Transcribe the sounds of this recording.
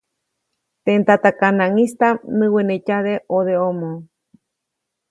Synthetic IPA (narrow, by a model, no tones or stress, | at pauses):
t̪ent̪at̪akanãŋĩst̪anɨ̃wenecaðeʔoðeomõ